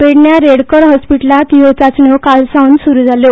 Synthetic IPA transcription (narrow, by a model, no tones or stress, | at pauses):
ʋeɽɳjaɾeɽkəɾɦɔspiʈlat̪iɦot͡sat͡sɳjokalsaunsuɾuːd͡zʱaljo